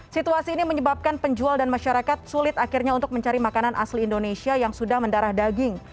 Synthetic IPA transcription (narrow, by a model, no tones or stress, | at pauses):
sit̪uasiːniməɲəbap̚kanpəɲd͡ʒualdanmaʃaɾakat̪̚sulɪt̪akɪrɲaunt̪ʊk̚məɲt͡ʃaɾimakananʔa̰slindonesiajaŋsudahməndaɾahdaɡɪŋ